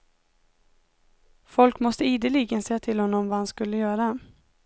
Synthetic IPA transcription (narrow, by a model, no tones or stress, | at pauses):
fɔlkmɔst̪əiːd̪əɭɪɡənsɛjːat̪ʰɪlhɔnːɔmvaːhanskɵlːəjœːɾa